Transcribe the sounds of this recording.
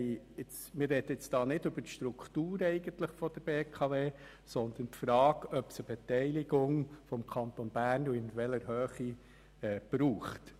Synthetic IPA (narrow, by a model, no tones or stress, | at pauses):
ɪt͡s | mɪrːɛd̥̪əɪt͡sd̥ɑːnɪdʏbətʃtɾukt̪uːɾɛɪɡ̥əntləχfɔd̥̪əɾb̥eːkʰɑveː | sɔnd̪əntfɾɑːɡœpsəbɛt̪ɛɪlɪɡʊŋfɔmkʰɑnt̪ɔnbæːɾnuɪnʋɛləɾhøːχi | ɛːb̥ɾuːχt